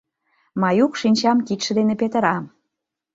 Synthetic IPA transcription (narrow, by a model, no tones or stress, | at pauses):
mɑjukʃinʲt͡ɕɑmkit̪ʃə̆d̪enepet̪ə̆ɾɑm